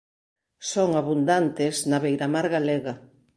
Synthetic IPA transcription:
soŋaβund̪ant̪ɪznaβejɾamaɾɣaleɣa

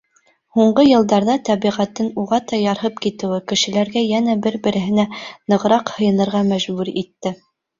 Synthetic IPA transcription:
huɴɢɤjɤ̆lˠd̪ɑɾðɑt̪æβiʁæt̪ːɘnuʁɑt̪ɑjɑɾɦɤpkit̪ɘ̆wɘkɘ̆ʃɘ̆læɾɡæjænæbɘɾbɘ̆ɾɘ̆ɦɘ̆nænɤ̆ʁɤ̆ɾɑqhɤ̆jɤ̆nɤ̆ɾʁɑmæʒbʉɾḭt̪ːɘ

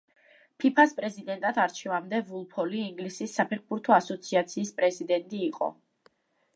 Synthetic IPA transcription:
pʰipʰaspʼɾɛzid̪ɛnt̪ʼat̪ʰaɾt͡ʃʰɛvamd̪ɛvulˠpʰɔliːŋɡlisisːapʰɛɾχbuɾt̪ʰɔasɔt̪sʰiat̪sʰiːspʼɾɛzid̪ɛnt̪ʼiːqʼɔ̰

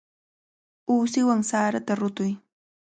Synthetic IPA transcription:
uːsɪwaŋsaːɾat̪aɾʊt̪ʊj

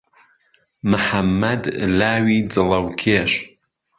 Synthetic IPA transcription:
mɨħɐmːɐd̪laːwiːd͡zɨlɐwkʰeːʃ

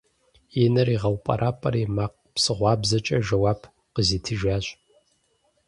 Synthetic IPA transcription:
jɪnɐriːʁɐwpʼɐ̰ɾʔaːpʼɐ̰ɾimaːq̚psɨʁʷɑːbzɐt͡ʃʼɐʒɐwɑːpʰ | qəziːtʰɨʒaːɕʼ

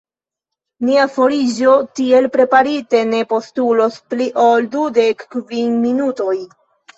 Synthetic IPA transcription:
niafo̞ɾid͡ʒo̞tie̞lpɾe̞paɾite̞ne̞po̞stulo̞spliʔoldude̞kːvinminuto̞j

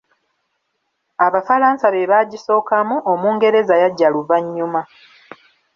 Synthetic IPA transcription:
aβafalaːnsaβe̞βaɟiso̞ːkamuʔomuːŋɡe̞ɾe̞zajaɟːaluvaɲːuma

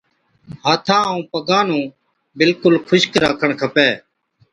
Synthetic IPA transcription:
ɦaːt̪ʰãːũːpəɡaːnũː | bɪlkʊlkʰʊʃkɾaːkʰəɳkʰəpeː

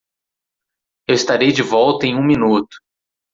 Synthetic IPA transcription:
ewɪst̪aɾejd͡ʒɪvɔwt̪ɐẽj̃ũminut̪ʊ̥

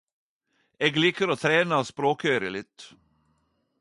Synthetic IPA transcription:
eːɡliːkəɾɔt̪ʰɾeːnaːspɾoːkøːɾɪlɪt̪

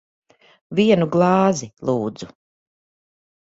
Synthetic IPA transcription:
viɛnuɡlˠɑːzilˠuːd̪z̥u

